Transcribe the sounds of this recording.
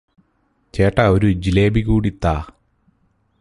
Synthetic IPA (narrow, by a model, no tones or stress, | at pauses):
t͡ɕeːʈːɐoɾud͡ʑileːbiɣuːɽit̪ːaː